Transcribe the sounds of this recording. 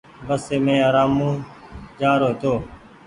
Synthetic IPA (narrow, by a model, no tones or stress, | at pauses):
bəsːeːmẽːaːɾaːmũːd͡ʒaːɾoːt̪oː